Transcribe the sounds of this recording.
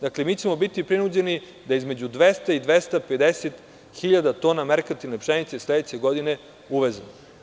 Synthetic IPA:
d̪aklemiːt͡ɕemo̞bit̪ipɾinud͡ʑe̞ni | d̪aizmed͡ʑud̪ʋest̪aid̪ʋest̪aped̪eset̪ | xiʎad̪at̪o̞ːnameɾkat̪ilipʃenit̪sesled̪et͡ɕeɡod̪ine̞ | uʋezmo

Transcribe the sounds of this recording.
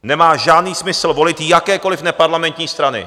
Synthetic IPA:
nɛmaːʒaːdniːsmɪsl̩vo̞lɪt̪jakɛːko̞lɪfnɛpaɾlamɛnt̪ɲiːst̪ɾanɪ̰

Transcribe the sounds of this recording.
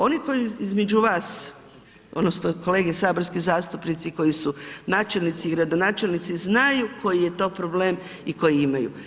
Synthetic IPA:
o̞niko̞jiizmed͡ʒuʋaːs | o̰d̪nosnoko̞le̞ːɡesaːboɾskizaːst̪upnit̪siko̞jisunaːt͡ʃelnit̪siːɡɾad̪o̞naːt͡ʃelnit̪siznajuko̞jije̞t̪o̞ːpɾo̞ble̞ːm | iko̞jiimajṵ

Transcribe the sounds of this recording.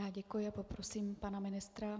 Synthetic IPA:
aːɟɛkujɪapo̞pɾosiːmpanamɪnɪst̪ɾa

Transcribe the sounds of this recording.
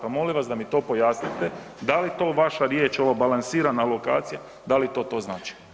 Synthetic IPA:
amo̞liʋasd̪amit̪o̞ːpo̞jaːsnit̪e̞ | d̪alit̪o̞ːʋaʃaɾje̞ːt͡ʃo̞ʋabalˠansiːɾanalˠo̞ka̰ːt̪sija | d̪alit̪o̞ːt̪o̞ːznaːt͡ʃi̥

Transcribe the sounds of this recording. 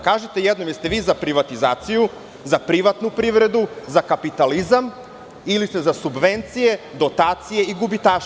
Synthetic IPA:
kaːʒet̪e̞jɛd̪nomjest̪eʋiːzapɾiʋat̪izaːt̪siju | zapɾiʋat̪nupɾiʋɾe̞d̪uzakapit̪alizam | ilist̪ezasubʋent̪sije̞d̪o̞t̪aːt̪sijeiɡubit̪aːʃ

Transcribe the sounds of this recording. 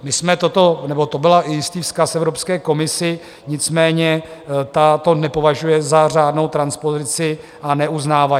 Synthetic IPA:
mɪsmɛt̪ot̪o̞nɛbo̞t̪o̞bɪlaʔɪjɪst̪iːfskasɛvɾopskɛːko̞mɪsɪ | ɲɪt͡smɛːɲɛt̪at̪o̞nɛpo̞vaʒujɛzar̝aːdno̞wt̪ɾanspo̞zɪt͡sɪ | anɛuznaːva

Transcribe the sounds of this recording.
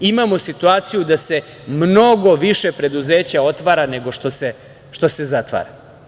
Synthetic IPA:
imamosit̪uaːt̪sijud̪ase̞ | mno̞ɡo̞ʋiʃe̞pɾe̞d̪uze̞ːt͡ɕao̞t̪ʋaːɾane̞ɡo̞ʃt̪ose | ʃt̪o̞se̞zat̪ʋa̰ːɾa

